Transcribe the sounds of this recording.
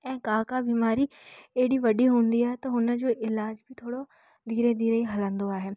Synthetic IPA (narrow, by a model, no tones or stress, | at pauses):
ɛ̃ːkaːkaːbiːmaːɾiːeːɪɽiːʋɐɖiːɦʊ̃ːnd̪iːaːɦet̪ɐɦʊnəd͡ʒoːʔɪlaːd͡ʒbʱit̪ʰoːɽo | d̪ʱiːɾed̪iːɾəiɦɐlə̃nd̪oaːɦeː